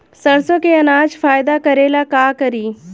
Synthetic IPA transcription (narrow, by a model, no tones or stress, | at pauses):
sɐɽsõkeɐnaːd͡ʒfaːjd̪akəɾelakaːkəɾiː